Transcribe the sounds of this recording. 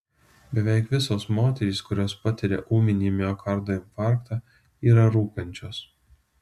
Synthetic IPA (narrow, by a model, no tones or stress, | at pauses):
bʲɛʋʲɛɪkʋʲɪsoːsmoːt̪ʲɛɾʲiːskʊɾʲoːspɐt̪ʲɪɾʲḛːʔuːmʲɪnʲiːmʲjoːkʰɐɾt̪oːɪnfɑˑɾkt̪ɑ | iːɾɐɾuːkʲɛnʲt͡ʃʲoːs